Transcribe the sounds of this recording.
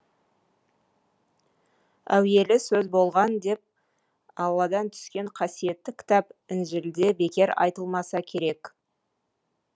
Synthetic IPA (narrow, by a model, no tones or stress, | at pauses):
æwe̞lɪsɵzbo̞lˠʁɑnd̪e̞p̚ | ɑlˠːɑd̪ɑnt̪ʰʏ̥skʲe̞ɴqʰɑsije̞t̪ːɪkʲʰɪ̥t̪ɑpɪnʒɪld̪e̞be̞kʲe̞ɾɑ̰jt̪əlˠmɑsɑkʲʰe̞ɾe̞k